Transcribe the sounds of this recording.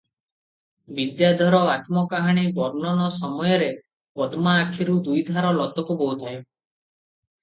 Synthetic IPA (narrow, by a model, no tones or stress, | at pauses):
bid̪jad̪ʱɔɾɔat̪mɔkaɦaɽ̃ibɔɾnɔnɔsɔmɔjɔɾe | pɔd̪maːkʰiɾud̪ujd̪ʱaɾɔlɔd̪ʱɔkubɔwt̪ʰajo